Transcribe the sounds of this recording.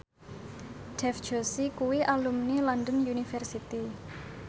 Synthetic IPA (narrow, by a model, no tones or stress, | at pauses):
ɖ̥ɛfd̥ʒ̥osikuwiʔalumnilɔndənjunifɛrsit̪i